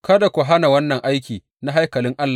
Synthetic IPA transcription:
kɐ˦da˨kʷʊ˨ɦa˦na˨wɐ˦nːɐ˨ŋʔa˦jkʲiː˨ | na˦ɦa˦jkɐ˨lɪ˦ŋʔa˦lːa˨

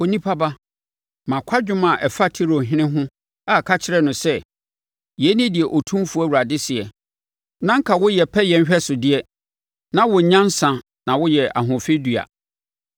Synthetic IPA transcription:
o˨nĩ˦pʰa˦ba˦ | mã˨kʷʰa˦d͡ʑᶣʊ˦mã˨ʔɛ˨fa˦tʰi˦ɾo˨ɦɪ̃˦nɪ̃˦ɦʊ̃˦ | a˨kʰa˦t͡ɕʰɪ˦ɾɛ˦nʊ̃˨sɛ˦ | jɛ˨˦nĩ˦dɪ˨ɛ˨ʔo˨tʰũ˦mfu˦æ˦˨wu˨ɾa˨dɪ˦sɪ˨ɛ˨ | nã˦ŋ̩˦kʰa˨wʊ˦jɛ˨pʰɛ˦jɛ̃˨m˦ɕᶣɛ˦sʊ˨dɪ˦ɛ˦ | nã˦wʊ˨ɲã˦n˦sã˨ | nã˨wʊ˦jɛ˨ʔa̰˨ɦʊ̃˨fe˦dɥa̰˨

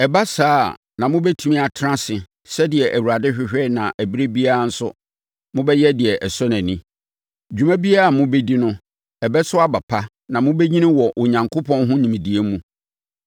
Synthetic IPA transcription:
ɛ˨ba˦saː˦ | nã˨mʊ̃˦bɛ˦tʰi˦mĩ˦a˨tʰɾã˦sɪ˨ | sɛ˦dɪ˨ɛ˨ʔæ˨wu˨ɾa˨dɪ˦ɕᶣɪ˨ɕᶣɛ˦˨nã˨ʔæ˨bi˦ɾe˦bi˦a˦a˦˨n̩˦sʊ̰˦ | mʊ̃˦bɛ˦jɛ˦dɪ˨ɛ˨ʔɛ˨sɔ˦næ̃˨nĩ˦ | d͡ʑᶣu˨mæ̃˦bi˦a˦a˨mʊ̃˦be˦di˦nʊ̃˦ | ɛ˨bɛ˦sʊ˦a˦ba˨pʰa˦ | nã˨mʊ̃˦be˦ɲĩ˦nɪ̃˦wɔ˨ʔʊ˨ɲã˨ŋkʰo˦pʰɔ̃˦nɦʊ̃˦nĩ˨mĩ˨di˨e˦mũ˦

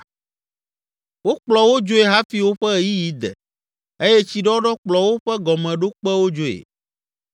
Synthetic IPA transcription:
wo˦k͡plɔ˨wo˦d͡ʒo˦e˨ɦa˦fi˦wo˦ɸɛ˦˨ji˦ji˦d̪ɛ̰˨ | e˦jɛ˦t͡ɕi˦ɖɔ˦ɖɔ˦k͡plɔ˨wo˦ɸɛ˦ɡɔ˨mɛ̃˨ɖo˦k͡pɛ˦wo˦d͡ʒo˦ḛ˨

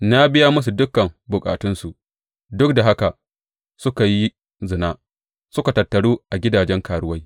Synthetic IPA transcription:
na˦bɪ˦ja˦mʊ˦s̬u˨dʊ˦kːɐ˨mbʊ˨kʼa̰ː˨tɪ˦nsu˨ʔ | dʊ˦k̚da˨ɦa˦ka˨ʔ | sʊ˦ka˨ji˦ | zɪ˨naː˦ | sʊ˦ka˨tɐ˨tːɐ˨ɽuː˦ʔa˨ɡʲɪ˦daː˨d͡ʒɛ˦ŋkaː˨ɽʊ˦wɐ˦j

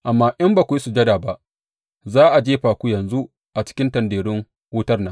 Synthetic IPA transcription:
ʔa˨mːaː˦ʔɐ˦mbaː˨kʷu˨ji˦su˨d͡ʒɐ˦daː˨ba˦ʔ | zaː˦ʔa˨d͡ʒeː˦ɸaː˨kʷu˦jɐ˨nzu˦ | ʔa˨t͡ʃɪ̥˦kʲɪ˦ntɐ˨ndeː˨ɽɪ˦ŋ | wʊ˦tɐ˦rna˨

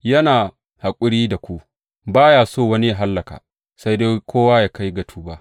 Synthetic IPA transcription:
jɐ˦naː˨ | ha˨kʷʼʊ˦ɽiː˦da˨kʷu˦ʔ | baː˦jaː˨soː˦˨wɐ˦ni˦ja˨ɦa˦lːɐ˨ka̰ː˨ | sa˦jde˦kʰʷoː˦waː˦jaː˦˨ka˦jɡɐ˨tʰuː˦baː˦

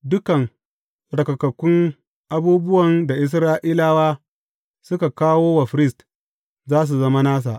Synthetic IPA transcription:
dʊ˦kɐ˨ŋ | ɽɐ˨kɐ˨kɐ˨kʷːʊ˦ŋ | ʔa˦buː˦bʊ˦wɐ˨nda˨ʔɪ˨s̬ɾaː˦ʔiː˦laː˦waː˦ | sʊ˦ka˨kaː˦woː˦wa˨ɸɪ˦ɾɪ˦st | zaː˦s̬u˨zɐ˦ma˦naː˦s̬a̰ː˨ʔ

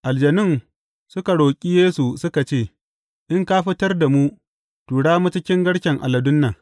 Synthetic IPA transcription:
ʔa˨ld͡ʒɐ˨nɪ˦ŋ | sʊ˦ka˨ɽoː˨kʲʼiː˦jeː˦su˨sʊ˦ka˨t͡ʃeː˦˨ | ʔɪ˦ŋkaː˦ɸɪ˦tɐ˦rda˨mu˦ | tuː˨ɽaː˦mu˦t͡ʃɪ˦kʲɪ˦ŋɡɐ˦ɽʃɛ˨ŋʔa̰˨lɐ˨dʊ˦nːa˨

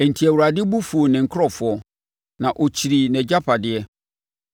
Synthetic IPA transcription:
ɛ˨n̩˨tʰi˨æ˨wu˨ɾa˨dɪ˦bu˦fu˨o˨nɪ̃˨ŋ̩˨kʰɾɔ˦fʊ˨˦ɔ˨ | nã˨ʔo˨t͡ɕʰi˨ɾi˨nɛ̃˨d͡ʑa˦pʰa˨dɪ˨ɛ˦

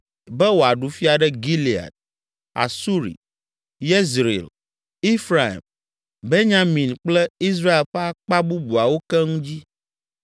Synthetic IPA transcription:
bɛ˦wo˨a˨ɖu˨fi˦a˨ɖɛ˦ɡi˦li˨a̰˨t̪̚ | a̰˨su˦ɾḭ˨ | je˦zɾḛ˨l | i˦fɾa˨ḭ˨m | be˦ɲã˦mĩ˨nk͡plɛ˦i˦s̬ɾa˦e˨lɸɛ˦a˦k͡pa˦bu˦bu˨a˨wo˦kɛ˦ŋũ˦d͡ʑi˦

